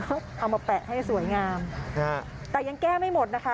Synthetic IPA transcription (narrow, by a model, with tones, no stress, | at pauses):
ʔa˧˩wmaː˧pɛ˨˩ʔha˥˩jsu˨˩˦jŋaː˧mʰ˧˩ | t̪ɛː˨˩ja˧ŋkɛː˥˩ma˥˩jmo˨˩t̪̚na˦˥kʰa˦˥